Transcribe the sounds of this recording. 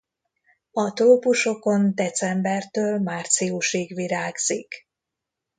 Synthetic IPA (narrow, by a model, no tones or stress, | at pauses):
ɒt̪oopuʃo̞ko̞nd̪ɛt̪sɛmbɛrt̪øːlmaːrt̪siuʃiːɡʋiɾaːɡz̥ik